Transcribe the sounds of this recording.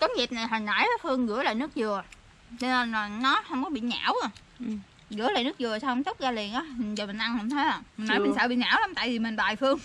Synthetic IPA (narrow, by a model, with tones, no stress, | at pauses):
kɔ˨˦ɲi˨˩t̚na˨˩jɦɔ˨˩na˧˩jfɨ˧əŋɣɨ̰˧˥əla̰ː˧˨jnɨ˦˥ək̚zɨ˨˩ə | t͡ɕɔ˧ne˧nː˨˩nɔ˨˦hə˧wŋ͡mkɔ˨˦ɓḭ˧˨ɲa̰ː˧˥w | ɣɨ̰˧˥əlaː˧˨jnɨ˦˥k̚zɨ˨˩ə˩sa˧wt̪ə˦˥k͡p̚zaː˧li˨˩ənʔaː˨˦˨zəː˨˩mï˨˩ŋ̟ʔa˧nhə˧˩wŋ͡mt̪ʰə˨˦jə˧˩mi˨˩ŋnɔ˧˦jɓi˨˩sə̰ː˧ɓḭ˧˨ɲa̰ː˧˩wla˨˦mt̪a̰ː˧˨jvi˨˩m˨˩ŋɓaː˨˩jfɨ˧əŋ